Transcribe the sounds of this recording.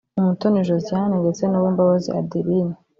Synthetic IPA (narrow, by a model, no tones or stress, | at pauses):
umutoniʒozianeŋɡet͡senawiːmbaβazḭa̰diɾiɲe